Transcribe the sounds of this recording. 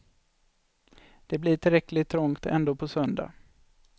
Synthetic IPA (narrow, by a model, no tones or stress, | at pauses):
d̪̥ɛblɪʈʰɪlɾɛklɪt̪ʰːɾɔŋt̪ɛ̰nd̪oːpʰɔsœnd̪a̰